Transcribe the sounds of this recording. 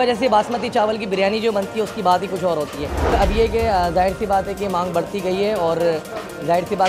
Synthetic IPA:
ɐd͡ʒɛːs̬ebaːsmət̪it͡ʃaːʋəlk̬ibɪɾjaːnid͡ʒoːbɐnt̪iɦɛʊskibaːt̪ɦikʊt͡ʃʰɔːɾɦoːt̪iɦɛːɐbjekezaːɦɪɾsibaːt̪ɦɛkemãːŋɡbɐɽt̪iɡɐiɦɛɔːɾ | zaːɦɪɾsibaː

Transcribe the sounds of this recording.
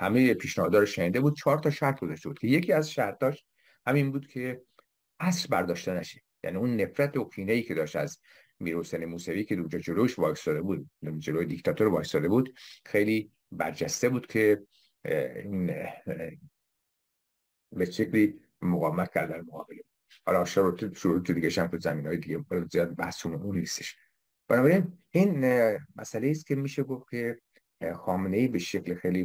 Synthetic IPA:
hæmejepʰiːʃnæhɒːd̪ɒːɾoʃæniːd̪ebuːd̪̥̚t͡ʃʰɒːɾt̪ʰɒːʃæɾt̪̚ʰɡozɒʃte̞buːd̪̥̚cʰeje̞cʰiːæzʃæɾt̪ʰɒːʃ | hæminbuːd̪̥kʰe̞ | ʔæsɾbæɾd̪ɒːʃt̪enæʃe̥jæ̰niunːe̞fɾæt̪ʰokʰiːneiːcʰe̞d̪ɒːʃt̪æz | miːɾhoseːnemuːsæviːkʰeund͡ʒɒːd͡ʒelojʃvɒːsɒd̪ebuːd̪d͡ʒelojed̪ikʲt̪ʰɒt̪oɾvɒːsɒːd̪e̞buːd̪̥xejliː | bæ̰ɾd͡ʒæst̪ebuːd̪̥kʰe̞ | iːn | beʃekliː | moɣɒːvemæt̪̚cʰæɾd̪ælmoɣɒ̰ːbelebu̥ | hɒ̰ːlɒʃæɾot̪eʃoɾuet̪ʰud̪iɡæʃæmt̪ʰuzæmiːnɒːjed̪iɟʲebælzijɒːd̪̚bæhsumoʔunnːist̪eʃ | b̥ænɒːbæɾiniːnmæ̰sæleiːskʲcʰe̞miːʃeɡo̞fcʲʰe̞ | xɒːmeneiːbeʃeclixejliː

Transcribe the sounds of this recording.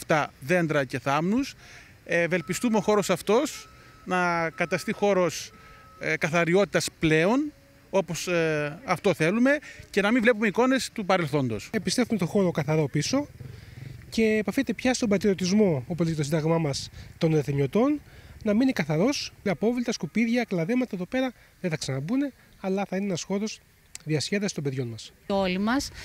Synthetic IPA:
ft̪ɐðe̞nd̪ɾɐce̞θɐmnus | ve̞lpist̪umeoxo̞ɾo̞sɐft̪o̞s | nɐkɐt̪ɐst̪ixo̞ɾo̞s | kɐθɐɾio̞t̪i̥t̪ɐsple̞o̞n | o̞po̞sɐft̪o̞θe̞lume̞cenɐmivle̞p̬umeiko̞ne̞st̪upɐɾelθo̞nd̪o̞̰sepist̪e̞fumet̪o̞xo̞ɾokɐθɐɾo̞piso̞ | ce̞ːpɐfeet̪e̞pçɐst̪o̞mbɐt̪ɾio̞t̪izmo̞opoziet̪os̬ind̪ɐɣmɐmɐst̪o̞neθeɲo̞t̪o̞nːɐminikɐθɐɾo̞sɐpo̞vlit̪ɐskupiðʝɐklɐðemɐt̪ɐeðo̞pe̞ɾɐ | ðeθɐksɐnɐbune̞ | ɐlɐθɐineenɐsxo̞ɾo̞z | ðiɐsçeðɐst̪o̞mbe̞ðʝo̞nmɐsolimɐs

